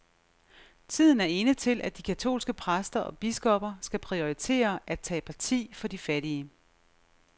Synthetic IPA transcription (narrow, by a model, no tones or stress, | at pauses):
t͡sʰið̞̰ˠn̩æɐe̝nət͡sʰe̝lʔæd̥ikʰæt͡sʰo̝̰ːlsɡ̥əpʰʁasd̥ɐʔɒ̽b̥isɡ̥ɒ̽b̥ɐsɡ̥æpʰʁio̝it͡sʰe̝̰ːɐʔæ̥t͡sʰɛ̰ːpʰɑ̈t͡sʰḭːfɒ̽d̥ifæɾiə